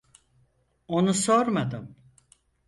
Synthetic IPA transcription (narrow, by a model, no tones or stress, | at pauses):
o̞nusoɾmad̪ɯm